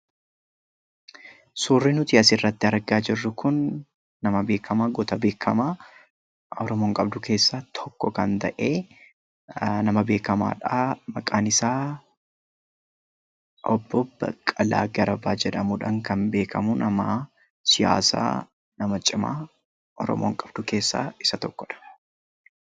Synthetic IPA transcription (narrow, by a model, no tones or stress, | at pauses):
suːrːɪnʊt̪ɪɐsɪrːɐt̪ːɪɐɾɡaːd͡ʒɪrːʊkʊnː | ɐmɐbe̞ːkʰːɐmaːɡɔt̪ɐbe̞ːkʰːɐmaː | ɔɾɔmoːŋkʼɐbd̪ʊke̞ːsːat̪ʰɔ̥kːɔkɐnt̪ɐ̰ʔeː | nɐmɐbe̞ːkɐma̰ːᶑaːmɐkʼaːnɪsaː | ʔɔbːɔbɐ̰kʼːɐla̰ːɡɐɾɐbaːd͡ʒɛᶑɐmʊᶑɐŋkɐnbe̞ːkʰɐmʊnɐma | sɪja̰ːsa̰ː | nɐmɐt͡ʃʼɪma̰ː | ʔɔ̰ɾɔ̰mo̰ːŋkʼɐb̥d̪ʊke̞ːsːa̰ːɪsɐt̪ɔkːɔᶑɐ̥